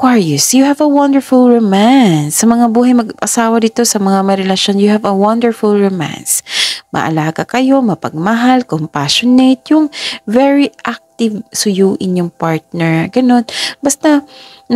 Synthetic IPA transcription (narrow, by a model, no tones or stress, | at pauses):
kwaɹɛsjʊhɛvɐwɐnd̪ɛɹfʊlɹomansːɐmɐŋabuːɦɐjmɐɡʔɐsaːwɐd̪iːt̪osɐmɐŋamɐɾɛlɐʃo̞njʊhɛvɐwɐnd̪ɛɹfʊlɹomã̰nsmɐ̰ʔɐ̰laːɡɐkɐjo̞mɐpɐ̰ɡ̚mɐɦalkompaʃonejt̪̚jʊŋvɛɹiʔak̚t̪ɪvsʊjuːʔɪnjʊŋpaɹt̪̚nɛɹɡɐno̞nbɐst̪ɐ